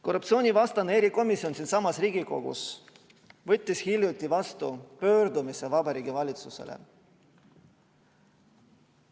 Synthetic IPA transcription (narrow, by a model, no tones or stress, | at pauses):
ko̞rːup̪̚sio̞ːnʲivɑst̪ɑneeɾiko̞misio̞nsinsɑmɑsriːɡiko̞ɡ̥ṵs | vɤt̪ʲːˑishiljut̪ʲːˑivɑst̪upø̞ːɾd̪umisevɑbɑɾiːɡ̥ivɑlʲit̪susḛlʔḛ